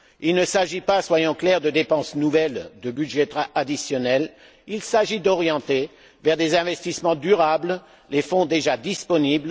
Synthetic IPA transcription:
ilnəsaʒipaswajɑ̃klɛʁd̪əd̪epɑ̃snuvɛld̪əbyd̪ʒɛt̪aad̪isjɔnɛl | ilsaʒid̪ɔʁjɑ̃t̪e | vɛʁd̪ezɛ̃vɛst̪ismɑ̃d̪yʁabl | lefɔ̃d̪eʒad̪ispɔnibl

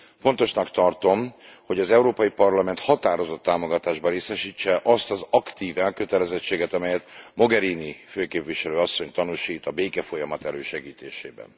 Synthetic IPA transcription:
fo̞nt̪o̞ʃnɒkt̪ɒrt̪o̞mho̞ɟɒzɛuɾoːpɒjipɒrlɒmɛnt̪hɒt̪aːɾo̞zo̞t̪ːaːmoɡɒt̪aːʒbɒɾeːsɛʃiːt͡ʃːɛʔɒst̪ɒzɒkt̪iːvɛlkø̞t̪ɛlɛzɛt͡ʃːeːɡɛt̪ɒmɛjɛt̪mo̞ɡɛɾiːniføːkeːpviʃɛløːɒsːo̞ɲt̪ɒnuʃiːt̪ɒbeːkɛfo̞jɒmɒt̪ɛløːʃɛɡiːt̪ḛːʃeːbɛ̰n

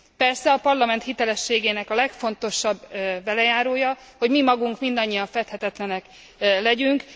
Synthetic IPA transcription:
pɛrsɛɒpɒrlɒmɛnt̪hit̪ɛlɛʃːeːɡeːnɛkɒlɛkfo̞nt̪o̞ʃɒbːɛlɛjaːɾoːjɒho̞ɟmimɒɡuŋkmind̪ɒɲːijɒɱfɛt̪hɛt̪ɛt̪lɛnɛk | lɛɟyŋk

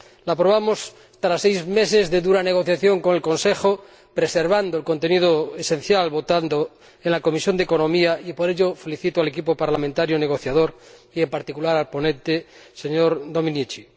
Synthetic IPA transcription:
laːpɾoβ̞amos | t̪aɾasejzme̞sezðeðuɾane̞ɣ̞o̞θjaθjo̞ŋko̞ŋelko̞nsexo | pɾeseɾβ̞and̪oelko̞nt̪e̞nið̞oesen̟θjalβot̪and̪o | enlako̞misjo̞nd̪eko̞nomiaipoɾeʎofe̞liθit̪oale̞kipopaɾlamẽnt̪aɾjoneɣ̞o̞θjað̞oɾiempaɾt̪ikulaɾalpo̞nẽnt̪eseɲoɾd̪o̞mĩnjit͡ʃi

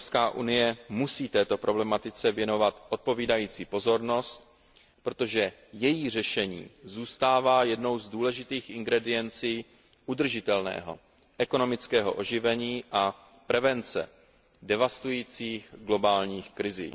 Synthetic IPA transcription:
pskaːʔṵnɪjɛmusiːt̪ɛːt̪o̞pɾʔo̞blɛmat̪ɪt͡sɛvjɛno̞vat̪ʔo̞t̪̚po̞viːdajiːt͡siːpo̞zo̞ɾno̞st̪̚ | pɾo̞t̪o̞ʒɛ | jɛjiːr̝ɛʃɛɲḭːzuːst̪aːvaːjɛdno̞wzduːlɛʒɪt̪iːxʔɪŋɡɾɛdɪjɛnt͡siː | ʔud̪r̩ʒɪt̪ɛlnɛ̰ːɦo̞̰ | ʔɛko̞no̞mɪt͡skɛːɦo̞̰ʔoʒɪvɛɲiːʔa | pɾɛvɛnt͡sɛ̰ | dɛvast̪ujiːt͡siːxɡlo̞baːlɲiːxkɾɪzḭː

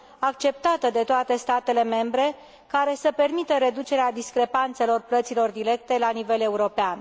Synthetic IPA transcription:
ak̚t͡ʃe̞p̚t̪at̪əd̪e̞t̪oat̪e̞st̪at̪ele̞me̞mbɾe̞ | kaɾe̞səpe̞rmit̪əɾe̞d̪ut͡ʃe̞ɾead̪iskɾe̞pant̪se̞lo̞rplət̪silo̞rd̪iɾe̞k̚t̪e̞lanive̞le̞uɾo̞pean

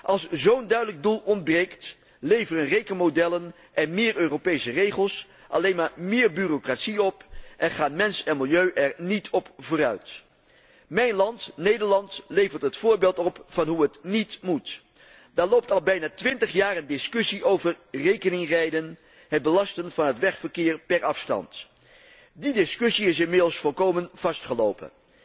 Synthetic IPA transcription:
ʔɑlˠszowndœɥdələɡ̚dulˠɔnd̚brejkt | lejvərənrejkənmodɛlən | ʔɛnmɪːrøːropejsərejχəlˠs | ʔɑ̰lejnmaːɹmɪːɹbyːrokratsiɔpʔɛnχaːnmɛnsɛnmɪlˠjøɥʔɛɹnitʰɔpvʊːɾœ̰ɥt | mɛjnlɑntnejdəɹlɑntlejvəɹtɦətfʊːɹbeːlˠtɔpfɑnɦuətnitmut | daːɹlowp̚tɑlˠbɛjnaːtʋɪntəχjaːɾəndɪskɵsiʔowvərrejkənɪŋrɛjdən | ɦəd̚bəlɑstənvɑnɦətʋɛχfəɹkɪːɹpɛɹʔɑfstɑ̰nt | didɪskʏsiɪs̬ɪnmɪdəlˠsfɔlˠkowmənv̥ɑstχəlowpə̰n

